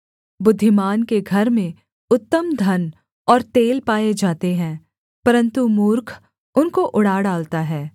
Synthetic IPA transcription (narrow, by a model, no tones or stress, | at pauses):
bʊd̪ʱːɪmaːnkeɡʱɐɾmẽ | ʊt̪ːəmd̪ʱɐn | ɔːɾt̪eːlpaːed͡ʒaːt̪eɦɛ̃ː | pɐɾə̃nt̪umuːɾkʰ | ʊnkoʔʊɽaːɽaːlt̪aɦɛː